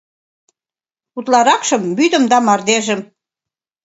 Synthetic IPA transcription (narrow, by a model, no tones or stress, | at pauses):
ut̪lɑɾɑkʃɤ̆mbyd̪ə̆md̪ɑmɑrd̪eʒə̆m